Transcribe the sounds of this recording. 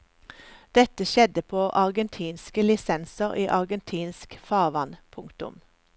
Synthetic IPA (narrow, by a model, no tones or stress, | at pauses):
d̪̥ɛt̪əʃɛd̪əpʰoːʔɑʁɡənt̪ʰiːnskəlɪsɛnsəʁiːʔɑʁɡənt̪ʰiːnskfɑːʁʋɑnpʰʊŋkt̪ʊ̰m